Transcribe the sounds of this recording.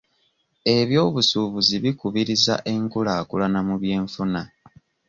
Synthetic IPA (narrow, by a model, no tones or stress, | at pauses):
e̞βjo̞ːβusuβuziβikuβiɾiza̰ʔe̞ŋkulakulanamuβje̞ːɱfuna